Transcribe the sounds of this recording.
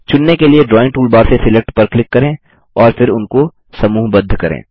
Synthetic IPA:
t͡ʃʊnːekelieɖɾɔːɪ̃ŋ̚ʈuːlbaːɾsesɪlɛk̚ʈpɐɾklɪkːɐɾẽː | ɔːɾfɪɾʊnko | sɐmuːɦbɐd̪ʱːkɐɾḛ̃ː

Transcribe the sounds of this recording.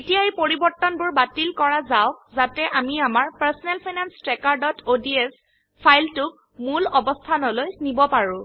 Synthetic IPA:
etijaepoɹibɔɹtːɔnbʊɹbatilkɔɹazaʊk̚zatɛʔamiamaɹpaɹsɔnɛlpʰajnanstɹɛkaɹdɔtodiɛs | pʰajltʊk̚ | mulɔbɔstʰanɔlojnibɔpaɹʊ̃

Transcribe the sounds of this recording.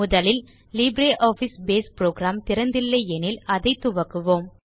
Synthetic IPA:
ʊðɐlɪl | liːbɾeːʔoːfisbeːspɾoːɡɾaːmt̪ɪɾɐnd̪ɪlːɐɪɛnɪlɐðɐɪt̪ːʊʋɐkːɯʋoːm

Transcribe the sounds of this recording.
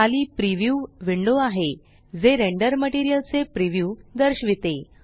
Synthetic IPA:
aliːpɾiʋjuʋiɳɖoaɦe | d͡zeɾeɳɖəɾməʈiɾijəlt͡sepɾiʋjuːd̪əɾɕʋit̪e

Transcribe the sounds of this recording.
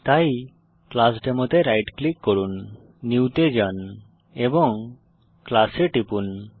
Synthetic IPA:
t̪aj | klasʈemɔt̪eɾajʈklikːɔɽunː | iwt̪ed͡ʒan | ebɔŋ | klaseʈipun

